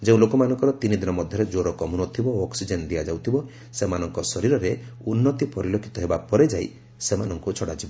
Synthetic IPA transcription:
d͡ʒeũlokɔmanɔŋkɔɾɔt̪inid̪inɔmɔd̪ʱjɔɾed͡ʒoɾɔkɔmunɔt̪ʰibɔɔksid͡ʒend̪ijad͡ʒawt̪ʰibɔ | semanɔŋkɔsɔɾiɾɔɾeunːɔt̪ipɔɾilokʰi̥t̪ɔɦebapɔɾed͡ʒaj | semanɔŋkut͡ʃʰɔɽad͡ʒibɔ

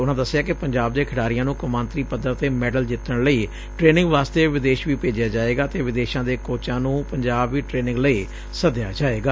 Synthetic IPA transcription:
ʊnãːd̪əsːɪjaːkɪpəɲd͡ʒaːb̚d̪eːkʰɪɽaːɾɪjãːnũːkəmãːnt̪ɾiːpəd̪əɾt̪eːmɛːɖəld͡ʒɪt̪ːəɳləiː | ʈɾeːnɪ̃ŋɡʋaːst̪eːʋɪd̪eːʃʋiːpeːd͡ʒɪjaːd͡ʒaːeːɡaːt̪eːʋɪd̪eːʃãːd̪eːkoːt͡ʃãːnũːpəɲd͡ʒaːbʋiːʈɾeːnɪ̃ŋɡləiː | səd̪ɪjaːd͡ʒaːeːɡaː

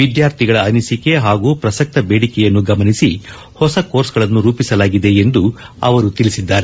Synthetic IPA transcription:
ʋid̪jaːɾt̪ʰiɡɐɭɐːnisike̞ɦaːɡuːpɾɐsɐk̚t̪ɐbe̞ːɽikɛjɐnːuɡɐmɐnisi | hɔsɐko̞ːɾsɡɐɭɐnːuɾuːpisɐlaːɡid̪e̞end̪u | ɐ̰ʋɐɾut̪ilisid̪ːaːɾe

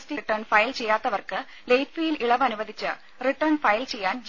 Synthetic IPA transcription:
stiʈːɐrɳfɐjlt͡ɕe̞jːaːt̪ːɐʋɐrkɨ | lejʈfijiliɭɐʋɐnubɐd̪ʱit͡ɕːɨ | riʈːɐrɳfɐjlt͡ɕe̞jːaːnd͡ʑ

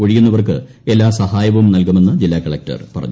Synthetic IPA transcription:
oɻijunːɐʋɐrkɨ | elːaːsɐhaːjɐʋumnɐlkume̞nːɐd͡ʑilːaːkɐɭɐk̚tɐ̰rpɐrɐ̰ɲː

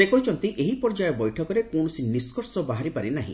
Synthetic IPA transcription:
sekɔɦit͡ʃʰɔnt̪iʔeɦipɔɾd͡ʒajɔbɔjʈʰɔkɔɾekoɳ̃usiniskɔɾsɔbaɦaɾipaɾinaɦḭ̃

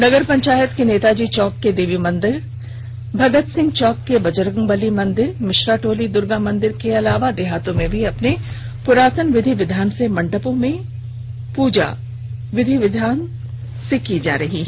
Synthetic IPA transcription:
nɐɡəɾpɐ̃ɲt͡ʃaːjət̪keneːt̪ad͡ʒiːt͡ʃɔːkːed̪eːʋimɐ̃nd̪ɪɾ | bʱɐɡət̪sɪ̃ŋɡt͡ʃɔːkːebɐd͡ʒəɾɡə̃ŋbɐlimɐ̃nd̪ɪɾmɪʃɾaːʈoːlid̪ʊɾɡamɐ̃nd̪ɪɾkeɐlaːʋad̪ɪɦaːt̪õmẽbʱiɐpne | pʊɾaːt̪ənʋɪd̪ʱiʋɪd̪ʱaːnsemɐ̃ɳɖəpõmẽ | puːd͡ʒa̰ | ʋɪd̪ʱiʋɪd̪ʱaːn | sekid͡ʒa̰ːɾɐɦiː

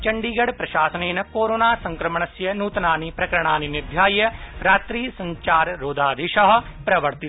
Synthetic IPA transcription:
t͡ʃɐɳɖiːɡɐɽpɾɐʃaːsɐneːnɐkoːɾoːnaːsɐ̃ŋkɾɐmɳ̃ɐsjɐnuːt̪naːnipɾɐkɐɾɽ̃aːninɪɾd̪ʱjaːjɐɾaːt̪ɾiːsɐ̃ɲt͡ʃaːɾɾoːd̪ʱaːd̪eʃɐɦ̆pɾɐʋəɾt̪ɪ

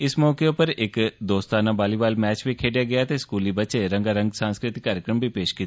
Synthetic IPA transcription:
ɪsmɔːkepəɾɪkd̪oːst̪aːnabaːlibaːlmɛːt͡ʃbʱikʰeːɖjaɡɐjat̪eskuːlibətːʃeɾə̃ŋɡaɾə̃ŋɡsãːnskɾɪt̪ɪkːaːɾjəkɾəmbʱipeːʃkiːt̪a

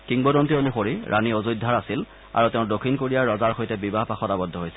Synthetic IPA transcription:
kiŋbɔdɔntionexoɹiɹʔaniozujdʱaɹasil | a̰ɹuteʊ̃dokʰːinkoɹijaɹɹɔzaɹxojtɛbibaɦpaxɔtabɔdʱːɔɦojsi̥

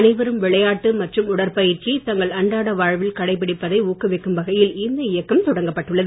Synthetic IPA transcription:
nɐɪʋɐɾɯmʋɪɭɐjaːʈːɯmɐʈrɯmʊɽɐɾpɐjɪɾt͡ʃit̪ɐŋɡɐɭɐɳɖaːɽɐʋaːɻʋɪlkɐɽɐɪpːɪɽɪpːɐðɐɪuːkːɯʋɛkːɯmʋɐɣɐjɪlɪnd̪ɐɪjɐkːɐmt̪ɔɽɐŋɡɐpːɐʈːɯɭːɐðɯ

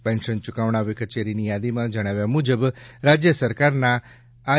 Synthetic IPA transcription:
pɛ̃nʃənt͡ʃukaʋɳ̃aʋikət͡ʃeɾinijad̪imãd͡ʒəɽ̃aʋjamud͡ʒəbɾad͡ʒjəsəɾkaɾnaː

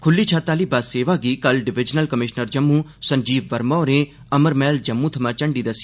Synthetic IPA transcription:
kʰʊlːiːt͡ʃʰaːt̪aːliːbaːseːʋaːɡiːkəlɖɪʋɪd͡ʒnəlkəmɪʃnəɾd͡ʒəmːũːsə̃ɲd͡ʒiːʋːəɾmɔːɾẽː | əməɾmɛːld͡ʒəmːũːt̪ʰəmãːt͡ʃəɳɖiːd̪əsi̥

